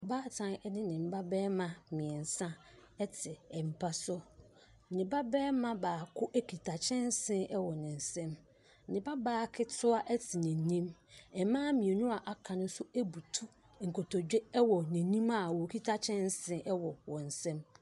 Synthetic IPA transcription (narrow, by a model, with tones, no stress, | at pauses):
baː˦tʰã˨nɛ˦nɪ̃˦nɪ̃˨m̩˨˦ba˦bɛː˦mã˦mɪ̃˨ɛ˨n̩˨sã˦ɛ˦tʰɪ˨ɛ˨m̩˨pʰa˦sɔ˦˨ | nɪ̃˨ba˦bɛː˦mã˦baː˨kʰʊ˦ʔæ˦kʰi˨tʰa˨t͡ɕʰɛ̃˦n˦sɪ̃˦ʔɛ˦wɔ˨nɪ̃˨n̩˨sɛ̃˦m̩˨ | nɪ̃˨ba˦baː˦kʰɪ˦tʰʊ˦a˦ʔɛ˦tʰɪ˨nĩ˨nĩ˦mɛ˨mãː˦mĩ˨e˨nʊ̃˦a˨ʔa˨kʰã˨nʊ̃˦sʊ˦æ˦bu˨tʰu˦ | ŋ̩˨ko˨tʰɔ˨d͡ʑᶣɛ˦ɛ˦wɔ˨nĩ˨nĩ˦ma˨wɔ˨kʰi˦tʰa˦t͡ɕʰɛ̃˦n̩˦sɪ̃˦ʔɛ˦wɔ˨wɔ̃˨n̩˨sɛ̃˦m